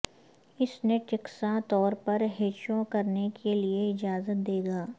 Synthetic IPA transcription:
ɪsneʈɪksãt̪ɔːɾpɐɾɦeːt͡ʃõkɐɾnekʰelieɪd͡ʒaːzət̪̚d̪eːɡaː

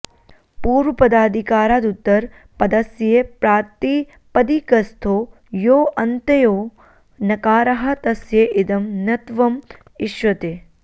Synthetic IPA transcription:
puːɾʋɐpɐd̪aːd̪ʱikaːɾaːd̪ut̪ːɐɾ | pɐd̪ɐsjepɾaːt̪i | pɐd̪ikɐst̪ʰoː | joːʔɐnt̪ɐjoː | nɐkaːɾɐɦɐ̆t̪ɐsjeʔɪd̪ɐmnɐt̪ʋɐm | ɪʃʋɐt̪eː

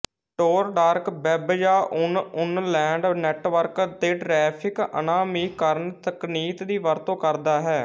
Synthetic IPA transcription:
ʈoːɾɖaːɾkbɛːbjaːʔʊnʊnlɛ̃ːɳɖnɛːʈʋəɾkd̪eːʈɾɛːpʰɪkə̰naːmiːkəɾənt̪əkniːt̪d̪iːʋəɾt̪õːkəɾd̪aːɦɛː

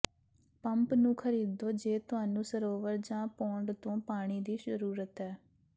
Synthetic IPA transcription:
pəmpnũːkʰəɾiːd̪oːd͡ʒeːt̪ʊɦaːnũːsəɾoːʋəɾd͡ʒãːpõːɳɖt̪õːpaːɽ̃iːd̪iːsəɾuːɾət̪ɦɛː

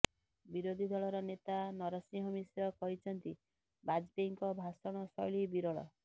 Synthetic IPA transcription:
biɾod̪ʱid̪ʱɔɭɔɾɔnet̪anɔɾɔsĩɦɔmisjɔkɔɦit͡ʃʰɔnt̪i | bad͡ʒbeŋkɔbʱasɔɽ̃ɔsɔjɭibiɾɔɭɔ̰

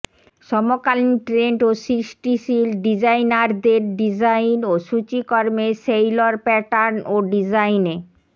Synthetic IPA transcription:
ʃɔmokalniʈɾeɳʈosɾiʃʈiʃilɖid͡ʑajnaɾd̪eɾɖid͡ʑajnoʃut͡ɕikɔɾmesejloɾpɛʈaɾnoɖid͡ʑajne

